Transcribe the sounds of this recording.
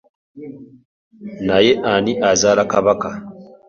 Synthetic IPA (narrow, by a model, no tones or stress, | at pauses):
naje̞ʔaniʔazaːlakaβaka